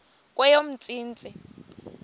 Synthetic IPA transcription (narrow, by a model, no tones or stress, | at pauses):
kʼwɛjom̩t͡sʼiːnt͡sʼi